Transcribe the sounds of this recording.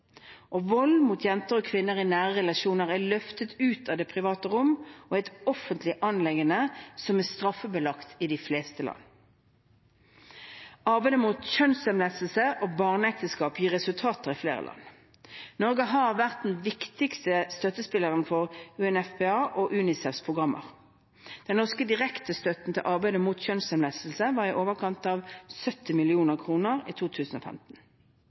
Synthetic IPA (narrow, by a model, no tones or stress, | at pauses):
ʔɔʋɔlmut̪ʰjɛnt̪əʁɔkʰʋɪnːəʁɪnæːʁəʁɛlɑʃuːnəʁælœft̪ət̪ʉːt̪ʰɑʋd̪ɛːpʰʁɪʋɑːt̪əʁʊmɔɛɪt̪ɔfənt̪ʰlɪʔɑnlɛɡənəsɔmæst̪ʁɑfːəbəlɑkt̪ɪd̪ɪfleːst̪əlɑ̰nː | ɑʁbæɪd̪əmut̪çœnsɛmlɛsəl̩səʔɔbɑːʁnəɛk̚t̪əskɑːpjiʁɛsʉlt̪ʰɑːt̪əʁɪflḛːʁə̰lʔɑ̰nː | nɔʁɡəɦɑʁʋæʁt̪̚d̪ɛn̩ʋɪkt̪ɪkst̪əst̪œt̪ːəspɪlːəʁənfɔʁʉɛnɛfpeɑːʔoʔʉːnɪsɛfspʰʁʊɡʁɑmʔə̰ʁ | d̪̥ɛnnɔʁskəd̪ɪʁɛkt̪əst̪œt̪n̩t̪ʰɪlʔɑʁbæɪd̪əmuːt̪çœnsəmlæsl̩səʋɑːʁɪʔoːʋəʁkʰɑnt̪ɑːʋsœt̪ːɪmɪlɪuːnəʁkʰʁuːnəʁiːt̪ʰuːt̪ʰʉːsn̩o̰fɛ̰mt̪n̩